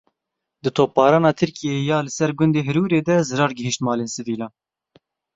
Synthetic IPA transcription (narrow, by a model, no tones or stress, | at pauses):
d̪ɨt̪ʰoːp̚ːɑːɾɑːnɑːt̪ʰɨɾkijejɑːlɨsɛɾɡʷʊnd̪eːɦɨɾuːɾeːd̪ɛzɨɾɑːɾɡɪhiʃt̪mɑːleːnsɨviːlɑːn